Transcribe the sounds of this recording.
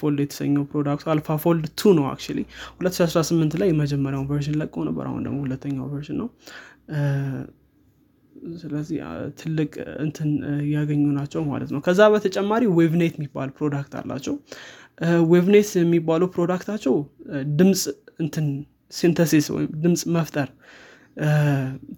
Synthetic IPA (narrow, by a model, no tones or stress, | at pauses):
fold̪jɛt̪ʰə̥sə̰ɲːəwpɾo̞d̪akt̪alfafo̞ld̪t̪ʰunəwa̰k̚t͡ʃalihulət̪ːʃihasɾasɨmːɨnt̪lajːɛməd͡ʒɛmːəɾjawunvəɾʃ̬ɪnləkʼːəwnə̰bːə̰ɾa̰hṵnd̪ə̰ɡmohulət̪ːəɲːawvəɾʃɪnːəw | sɨləzːiht̪ʰɨlːɨkʼɨ̰nt̪ʰɨnjaɡəɲːunat͡ʃːɛwma̰lə̰t̪nəwkʰəzːaβət̪ʰət͡ʃʼɛmːaɾiwevnajt̪mːibːa̰lpʰɾo̞d̪akt̪ʰa̰lːa̰t͡ʃːɛw | weβnejt̪jɛmːibːaləwpɾod̪akt̪ʰat͡ʃːɛwd̪ɨmsʼɨnt̪ʰɨn | sint̪ʰəsiswɔ̰jɪ̰md̪ɨmsʼməft̪ʼəɾ